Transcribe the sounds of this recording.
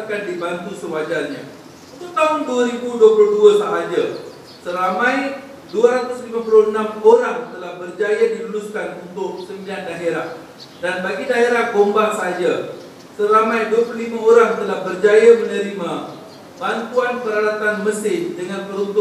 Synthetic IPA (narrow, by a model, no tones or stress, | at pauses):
akandibant̪usəwad͡ʒalɲã̰ | it̪ut̪aɦʊnduaɾibuduəpuluhduasəɦad͡ʒa | səɾamãj | duaɾat̪ʊslimãpulʊənãmoɾaŋt̪əlahbərd͡ʒajadiluluskanunt̪ʊʔsəmbian̚daɦeɾah | danbaɡidaɦeɾahɡombasəɦad͡ʒa | səɾamãjduəpululimaoɾaŋt̪əlahbərd͡ʒajamənəɾima | bant̪uanpəɾalat̪anməsɪndəŋanpəɾunt̪ʊ